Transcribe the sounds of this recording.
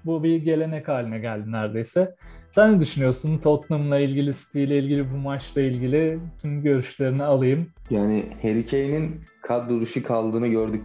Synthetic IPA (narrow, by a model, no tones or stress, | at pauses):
bubiɾɟe̞lʲe̞nɛkhaːlʲinɛɟælʲd̪inæɾd̪e̞jsɛsænːɛd̪yʃynyjo̞sunt̪ʰotlˠumlˠailʲɟʲilʲisi̥t̪ʰijlʲɛilʲɟilʲibumat͡ʃlˠailʲɟilʲɪt̪ʰymɟø̞ɾyʃlʲe̞ɾinialˠɯjɯmjaːnɪhe̞ɾicʰejininkʰat̪d̪uɾuʃukʰalˠd̪ɯːnɯɟøɾd̪y